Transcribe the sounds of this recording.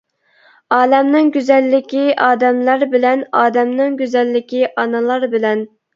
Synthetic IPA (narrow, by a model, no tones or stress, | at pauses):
ɑːlɛmnɪŋɡʲyzɛlːɪkʲiʔɑːd̪ɛmlɑɾbɪlɛnɑːd̪ɛmnɪŋɡʲyzɛlːɪkʲiʔɑnɨlˠɑɾbɪlɛn